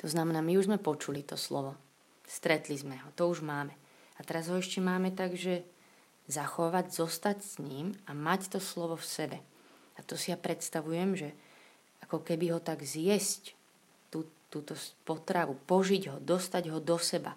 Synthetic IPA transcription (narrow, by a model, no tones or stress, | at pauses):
t̪ɔznamɛnaːmiuʒzmɛpɔt͡ʃulit̪ɔslɔʋɔ | st̪ɾɛt̪lizmɛɦɔt̪ɔuʒmaːmɛ | at̪ɛɾazɦɔɛʃcɛmaːmɛt̪aɡʒɛ | zaxɔʋaɟzɔst̪acsɲiːmamact̪ɔslɔʋɔfsɛbɛ | at̪ɔsijapɾɛt̪st̪aʋujɛmʒɛ | ʔakɔkɛbiɦɔt̪aɡzɪjɛsc | t̪ut̪ːuːt̪ɔspɔt̪ɾaʋupɔʒiɟɦɔd̪ɔst̪aɟɦɔd̪ɔsɛba̰